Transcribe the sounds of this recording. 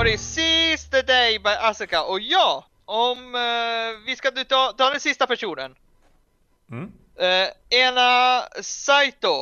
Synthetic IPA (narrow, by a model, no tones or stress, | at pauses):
ɑɾɪsɪsd̪əd̪ɛjbajʔasɪkaʔɔjɑː | ɔm | vɪskad̪ʉt̪ʰɑːt̪ʰɑːd̪ɛnsɪst̪apæʂuːnə̰n | eːnasajt̪̚d̪o